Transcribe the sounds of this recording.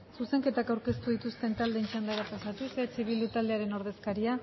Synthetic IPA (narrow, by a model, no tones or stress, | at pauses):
suse̞ŋke̞t̪akawɾke̞st̪uð̞it̪ust̪e̞nt̪ald̪e̞ːnt͡ʃand̪aɾapasat̪uset͡siβild̪ut̪ald̪e̞aɾe̞no̞ɾð̞e̞skaɾia